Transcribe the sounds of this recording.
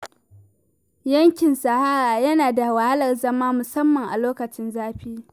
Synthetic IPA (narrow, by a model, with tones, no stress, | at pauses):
jɐ˦ŋkʲɪ˨nsa˨haː˦ɾaː˨jɐ˦naː˨da˨wa˨ha˦lɐ˨rzɐ˦maː˦mʊ˨sɐ˦mːɐ˨ŋʔa̰˨loː˦kɐ˨t͡ʃɪ˦nzaː˦ɸiː˦